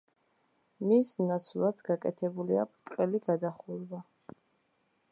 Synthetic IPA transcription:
misnat̪sʰlat̪ʰɡakʼɛt̪ʰɛbulia̰pʰt̪ʼqʼɛliɡad̪aχuɾva

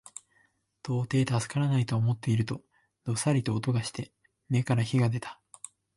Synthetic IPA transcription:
t̪o̞ːt̪e̞ːt̪azɨ̥kaɾanait̪o̞ːmo̞t̪ːe̞iɾɯ̟t̪o̞ | d̪̥o̞saɾʲit̪o̞ːt̪o̞ɡaɕi̥t̪e̞ | me̞kaɾaçiɡad̪e̞t̪ḁ

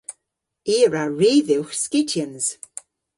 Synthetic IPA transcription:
iːɹaɹiːðɪwxskɪtʰjənz̥

